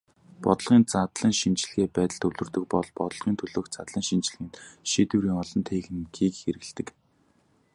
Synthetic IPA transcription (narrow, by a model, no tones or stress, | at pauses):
pɔt̪ɞ̆ɮʁiːnt͡sat̪ɮə̆ŋʃint͡ɕɪ̆ɮ̆ɣeːpæːt̪ə̆ɮt̪ʰɵwɮɵ̆rt̪ɵ̆k̚pɔɮpɔt̪ɞ̆ɮʁ̥iːnt̪ʰɵɮoːxt͡sat̪ɮə̆ŋʃint͡ɕɪ̆ɮxiːnt̪ʃiːt̪uɾiːŋɔɮɞ̆nt̪ʰeːxɘ̆nɡiːkxeɾɘ̆ɣ̆ɮt̪ɘ̆k